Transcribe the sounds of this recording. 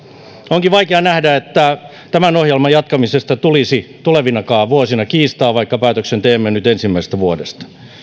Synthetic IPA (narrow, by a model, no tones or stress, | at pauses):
oŋkiʋɑikeɑnæhdæet̪ːæ | t̪æmænohjelmɑjɑt̪kɑmisest̪ɑt̪ulisit̪uleʋinɑkɑːʋuosinɑkiːst̪ɑːʋɑikːɑpæːt̪øksent̪eːmːenyt̪ensimːæise̥st̪æʋuodḛst̪ɑ̥